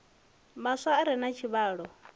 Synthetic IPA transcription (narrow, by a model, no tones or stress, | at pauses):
masaːɾɛnat͡ʃʰiβaːɺɔ